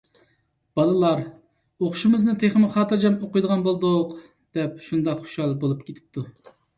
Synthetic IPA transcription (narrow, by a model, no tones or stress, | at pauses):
b̥ɑlˠɨlˠɑɾ | oqʰʊʃumɨznɨt̪ʰeχɪmɨχɑːt̪ɨɾd͡ʒɑmoqʊjd̪əʁɑnbolˠd̪ʊq | d̪̥ɛp̚ʃund̪ɑqχo̥ʃɑlˠbolˠup̚kʲʰet̪ʰɪ̥p̚t̪ʰu